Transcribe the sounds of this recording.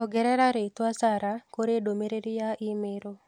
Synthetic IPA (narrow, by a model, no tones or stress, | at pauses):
ɔɡɛɾɛɾaɾet̪wasaɾakoɾedomeɾeɾijaʔɪmeɾo